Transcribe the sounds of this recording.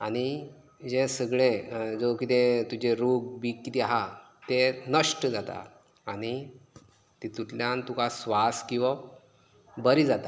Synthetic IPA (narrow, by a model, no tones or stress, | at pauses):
aɽ̃i | d͡ʑẽsəɡɭẽd͡zokit̪ẽt̪ud͡ʑeɾuk̚bikkit̪ɛaɦa | t̪enəʂʈəd͡zat̪a̰ | aɽ̃i | t̪it̪uʈljãnt̪ukasʋaskĩw̃ʋa | bəɾid͡zat̪a